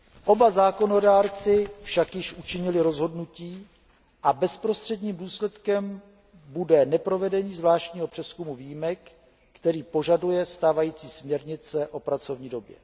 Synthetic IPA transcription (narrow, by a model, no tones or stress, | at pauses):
ʔo̞bazaːko̞no̞daːɾt͡sɪfʃakjɪʃʔut͡ʃɪɲɪlɪɾo̞zɦo̞dnuciː | ʔabɛspɾo̞st̪r̝̥ɛdɲiːmduːslɛt̪kɛm | budɛnɛpɾo̞vɛdɛɲiːzvlaːʃcɲiːɦo̞pr̝̥ɛskumuviːjimɛkː | t̪ɛɾiːpo̞ʒadujɛst̪aːvajiːt͡siːsmɲɛɾɲɪt͡sɛʔo̞pɾat͡so̞vɲiːdo̞bjɛ̰